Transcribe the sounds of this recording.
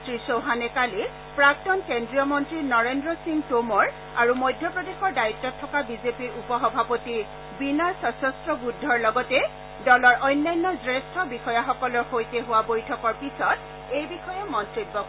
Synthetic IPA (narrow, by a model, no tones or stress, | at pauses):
tɹisoɦanɛkali | pɹak̚tɔnkendɹijɔmɔntɹinɔɹendɹɔsiŋɡtomɔɹ | aɹumojdʱjɔpɹɔdexɔɹdaitːɔtʰːɔkabizepiɹupɔxɔbʱapoti | binaɹsɔsɔstɹɔbudʱːɔɹlɔɡɔtɛ | dɔlɔɹʔɔjnːajnːɔzɹɛstʰɔbixɔjaxɔkɔlɔɹxojteɦʊwabojtʰɔkɔɹpisɔt | ejbixɔjamɔntɹibːɔ